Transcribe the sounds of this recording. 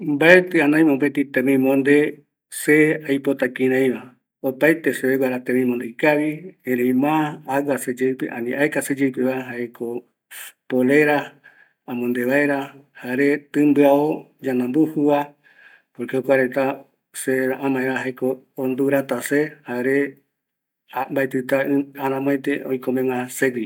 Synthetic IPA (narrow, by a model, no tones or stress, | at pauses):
mbaet̪ɨanãj̃mopet̪it̪ẽmĩmõnd̪e | seajpot̪akĩɾ̃ãj̃βa | opajt̪eseβeɡʷaɾat̪ẽmĩmond̪ejkaβiẽɾẽjmãːwased͡ʒewpḛʔã̰nĩʔaekased͡ʒewpeβaeɦaekʰo | poleɾa | amõnd̪eβaeɾahaɾet̪ɨ̃mbɨao | d͡ʒanãmbuhua | poɾkeokʷaɾet̪a | seaʔãmãẽβaɦakoː | nd̪uɾat̪asehaɾe | ambaet̪ɨt̪aaɾãmõẽt̪eojkomẽŋãseɡi